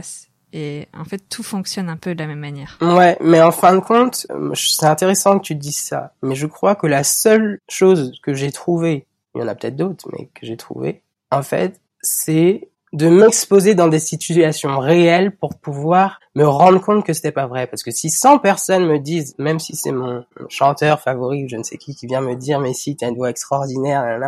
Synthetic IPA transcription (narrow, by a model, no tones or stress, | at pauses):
s | eɑ̰̃fɛt̪ːufɔ̃ksjɔnɛ̃pød̪əlamɛmːanjɛːʁwɛmɛɑ̃fɛ̃d̪əkʰɔ̃t̪sɛɛ̃t̪eʁesɑ̃kət̪yd̪izsa̰mɛʒəkχwakəlasœlʃozkəʒɛt̪χuve | ljɑ̰̃na̰pə̥t̪ɛt̪χd̪ot̪χmʔɛ̰kəʒet̪χṵvḛ | ɑ̃fɛ̰t̪ | sɛ | d̪əmɛkspozed̪ɑ̃d̪esit̪yasjɔ̃ʁeɛlpuʁpuvwaʁ | məʁɑ̃d̪ʁəkɔ̃t̪kəse̥t̪ɛpavʁɛpaʁsə̥kəsisɑ̃pɛʁsɔnməd̪izmɛmsisɛ̰mɔ̃ʃɑ̃t̪œʁfavɔʁiuʒənsɛ̰kʲʰikʲivjɛ̃məd̪iːʁmɛsit̪yaynvwaɛkst̪χɔʁd̪inɛʁjɑ̃na